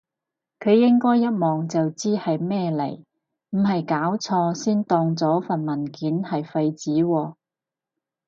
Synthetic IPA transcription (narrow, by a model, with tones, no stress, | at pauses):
kʰɵ˨˧ɥjɪ˥ŋkɔː˥jːɐ˥t̚mɔː˨˩ŋt͡sɐ˨wt͡siː˥hɐ˨jmɛː˥lɐ̰˨˩j | m̩˨˩ɦɐ˨jkaː˨˥wt͡sʰɔː˧siː˥nt̪ɔː˧ŋt͡sɔː˨˥fɐ˨nmɐ˨˩nkiː˨˥nhɐ˨jfɐ˧jt͡siː˨˥wɔː˧